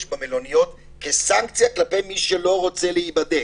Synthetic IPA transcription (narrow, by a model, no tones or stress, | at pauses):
ʃbamelo̞nijot̪ | kesaŋkt͡sijaklape̞jmiʃelo̞ʁo̞t͡se̞leibad̪e